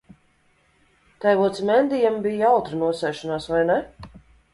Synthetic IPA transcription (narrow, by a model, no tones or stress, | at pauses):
t̪ajvuɔt̪smɛnd̪ijambijawt̪ɾinuɔsɛjʃɔnaːsvajnɛ